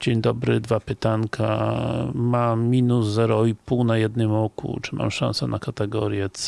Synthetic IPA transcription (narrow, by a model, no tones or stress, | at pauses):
d͡ʑeɲd̪ɔbɾɘd̪vapɘt̪aŋkʰa̰ | mamʲinuszɛɾɔipuwnajɛd̪̚nɘmɔkṵt͡ʂɘmʔa̰mʂã̰ñsɛnʔa̰kat̪ɛɡɔɾjɛt̪